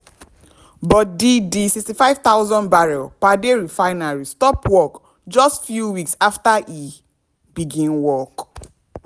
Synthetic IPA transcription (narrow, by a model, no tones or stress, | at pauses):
bɔt̚didisikstifaɪv̥t̪awzɔ̃nbaɹɛlpadeɹifaɪnaɹistɔpwɔk | d͡ʒɔstfjuwiksaftaʔi | biɡĩnwɔk